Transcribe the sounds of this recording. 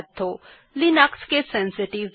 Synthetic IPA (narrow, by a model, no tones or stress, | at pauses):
t̪ʰːoː | lɪnəkskesɛ̃nsɪʈɪʋ